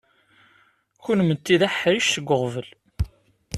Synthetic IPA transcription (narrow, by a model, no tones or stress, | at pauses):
çʊnmət̪ːiðæħɾiʃθəɡʷːəʁvəl